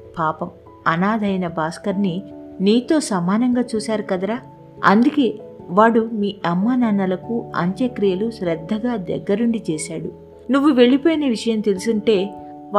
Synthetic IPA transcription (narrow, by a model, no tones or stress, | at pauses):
paːpɐm | ɐnaːd̪ʱɐjnɐbaːskɐɾniniːt̪o̞ːsɐmaːnɐŋɡaːt͡ʃuːsaːɾukɐd̪ɐɾaː | ɐ̰nd̪uke̞ːʋaːɽumiːɐmːanɐːnɐlɐkuɐ̰ɲt͡ʃɐkɾijɐluʃɾɛd̪ʱːɐɡaːd̪ɛ̰ɡːɐɾuɳɖit͡ʃeːʃaːɽu | nuʋːuʋe̞ɭipo̞ːjneːʋiʂɐjɐmt̪e̞lusuɳʈe̞ː